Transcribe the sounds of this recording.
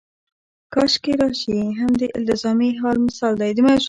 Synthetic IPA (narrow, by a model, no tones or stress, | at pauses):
kɑʃkeɾɑʃiɦamd̪əʔɪlt̪ɪzɑmeɦɑlmɪsɑld̪ajd̪əmaʃ